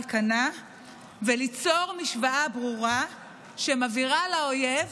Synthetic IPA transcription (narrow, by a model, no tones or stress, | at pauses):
lkana | velit͡so̞ʁmiʃvaʔabʁuʁa | ʃemaviʁalaojev